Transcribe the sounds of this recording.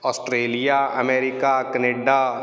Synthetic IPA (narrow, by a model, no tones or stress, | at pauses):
ɔːsʈɾeːlijaɐmeːɾɪkakəneːɖa